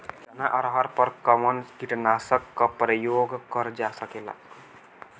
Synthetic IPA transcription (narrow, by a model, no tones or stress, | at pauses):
kɐnaʔəɾɦəɾpəɾkəmənkiʈnasəkːapɾəjoɡkəɾd͡ʒasəkela̰